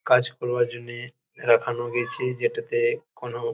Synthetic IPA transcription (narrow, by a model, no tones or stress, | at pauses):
kad͡ʒkɔɾbaɾd͡ʒonːe | ɾakʰanoɡet͡ʃʰed͡ʒeʈat̪ekono